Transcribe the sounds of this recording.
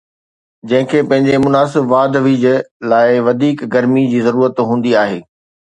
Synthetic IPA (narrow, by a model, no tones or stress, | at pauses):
d͡ʑɐ̃ɦɪ̃kʰeːpɐ̃ɦɪ̃ɲd͡ʑemʊnaːs̬ɪbʋaːd̪ʋid͡ʑlaːɪʋɐd̪ʱiːkɡɐɾmid͡ʑiːzɐɾuːɾət̪ɦũːnd̪iaːɦeː